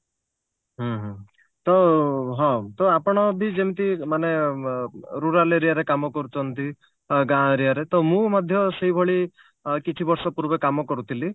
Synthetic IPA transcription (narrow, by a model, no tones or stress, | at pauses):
ɦɔ̃ɦɔ̃ | t̪ɔɦɔ̃t̪ɔapɔɽ̃ɔbʱid͡ʒemt̪imane | ɾuɾaleɾiaɾekamɔkɔɾut͡ʃʰɔnt̪i | ɡãɾiaɾet̪ɔmũmad̪ʱjɔseɦibʱɔɭi | kit͡ʃʰibɔɾsɔpuɾbekamɔkɔɾut̪ʰili